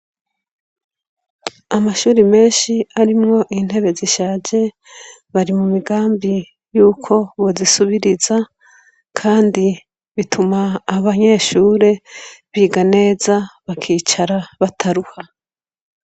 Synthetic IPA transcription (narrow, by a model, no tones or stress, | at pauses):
amaʃuːɾime̞ːnʃiaɾimŋo̞ʔin̥he̞βe̞ziʃaːd͡ʒe̞ | βaɾimumiɡaːmbi | juːkʰo̞βozisuβiɾiza | kʰaːndi | βitʰumaːβaɲe̞ːʃuːɾe̞βiːɡane̞ːzaβakʰiːt͡ʃaɾaβatʰaɾuha